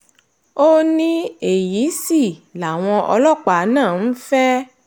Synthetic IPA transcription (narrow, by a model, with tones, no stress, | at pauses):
o˦nĩ˦e˨ji˨˦si˦˨la˨w̃ɔ̃˧ʔɔ˧lɔ˦˨k͡pa˨˦nãː˦˨n̩˦fɛ˦